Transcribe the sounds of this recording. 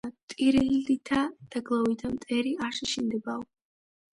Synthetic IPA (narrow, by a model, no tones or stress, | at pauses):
t̪ʼiɾiit̪ʰad̪̥aɡlˠavit̪ʰamt̪ʼɛɾiaʃiʃind̪ɛbaɔ